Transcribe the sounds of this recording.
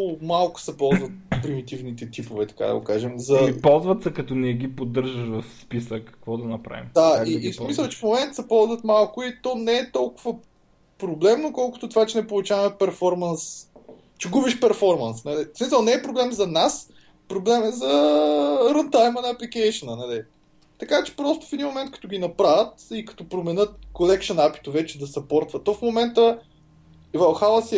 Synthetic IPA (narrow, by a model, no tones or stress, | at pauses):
ʊmalˠkʊ̥sɛpɔlˠzvɐt̪̚pɾimit̪ivnit̪ɛt̪ipovɛt̪ɐ̥ka̰d̪ɐ̰ɡo̰kaʒɛmzɐipɔlˠzvɐt̪sɛkɐt̪ɔnɛɛɡipod̪ːəɾʒəʃvɐfspisəkːɐ̥kvɔd̪ɐnɐpɾa̰vḭmd̪aiːsmmisəlˠt͡ʃɛfmomɛnt̪əsɛpɔlˠzvɐt̪malˠkʊit̪ɔnɛːt̪ɔlˠkʊvə | pɾoblɛmnokɔlˠkʊ̥t̪ot̪ovat͡ʃɛnɛpolˠʊt͡ʃavɐmɛpɛɾfɔɾmɐns | t͡ʃɛɡubiʃpɛɾfɔɾmɐnsnɐlismisəlˠnɛːpɾoblɛmzɐnas | pɾoblɛmɛzɐ | ɾənt̪ajmənɐːplikɛjʃənənɐli | t̪ɐkat͡ʃɛ̥pɾɔst̪ʊ̥fɛd̪inmomɛnt̪̚kɐ̥t̪ɔɡʲinɐpɾavət̪ikɐ̥t̪ɔpɾomɛnɤt̪̚kolɛkʃonapi̥t̪ovɛt͡ʃɛd̪ɐsɐpɔɾt̪vət̪ːɔfmomɛnt̪ə | vɐxals